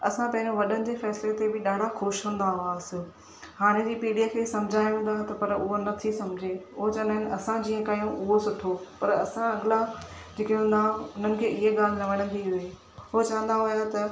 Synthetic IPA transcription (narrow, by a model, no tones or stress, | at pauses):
ɐsãpɐ̃ɦɪ̃ɲd͡ʑoʋɐɗənɪ̆d͡ʑeːfɛːslet̪ebɪɗaːɽ̤ʱaxʊʃɦũːn̆d̪aʋaːsɪ̆ | haːɽ̃ed͡ʑiːpiːɖijakʰeːsɐ̃md͡ʑʱaːjʋũːnd̪aːɦet̪ɐpɐɾʊɦonɐt̪ʰisɐmd͡ʑʱeʊɦot͡ɕɐʋə̃nd̪aːɦɪnɐsãd͡ʑiːə̃kɐjũʔʊɦosʊʈʰopɐɾɐsãɐɡɪla | d͡ʑeːkeũːnd̪aʊnənɪ̆kʰeːɪɦeɠaːl̤ɪɾɐʋəɽ̃ə̃nd̪iɦʊe | ʊɦot͡ɕɐʋə̃nd̪aɦʊjat̪ɐ